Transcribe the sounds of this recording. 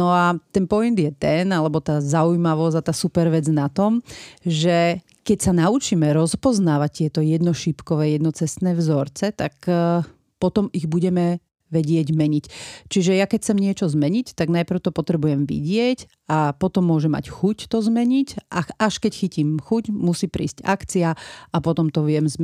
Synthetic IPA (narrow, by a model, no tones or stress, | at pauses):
nɔat̪ɛnpɔjind̪jɛt̪ɛnalɛbɔt̪aːzaujmaʋɔzat̪aːsupɛɾʋɛd͡znat̪ɔmʒɛ | kɛcsanaut͡ʃimɛɾɔspɔznaːʋac̚t̪ɪɛt̪ɔjɛd̪nɔʃipkɔʋɛːjɛd̪nɔt͡sɛst̪nɛːvzɔɾt͡sɛt̪ak | pɔt̪ɔmiɣbuɟɛmɛ | ʋɛɟɪɛɟmɛɲict͡ʃiʒɛjakɛcʰt͡sɛmɲɪɛt͡ʃɔzmɛɲict̪aɡnajpɾ̩ʊt̪ɔpɔt̪ɾɛbujɛmʋḭɟɪɛc | apɔt̪ɔmːʊɔʒɛmːa̰cxuct̪ɔzmɛɲicʔaaʃkɛcxiciːmxucmusiːpɾḭːsca̰kt͡siaapɔt̪ɔmt̪ɔʋɪɛmz